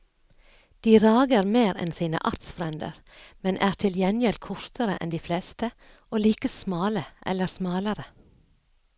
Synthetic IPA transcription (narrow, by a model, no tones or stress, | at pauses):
d̪̥iːɾɑːɡəɾmeːɾɛ̰nsiːnə̰ʔɑɾt̪sfɾɛnd̪ə̰ɾ | mɛnʔæːɾt̪ʰɪljɛnjɛlkʰʊɹt̪ʰəɾəʔɛ̰nd̪iːfleːst̪ə | ʔoːliːkəsmɑːləʔɛ̰ləɾsmɑːləɾə